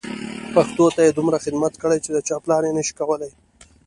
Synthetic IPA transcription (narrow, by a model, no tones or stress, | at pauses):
paxt̪ot̪ajed̪ʊmɾaxɪd̪mat̪kəɽajt͡ʃed̪ət͡ʃɑplɑɾenəʃi̥kawəlaj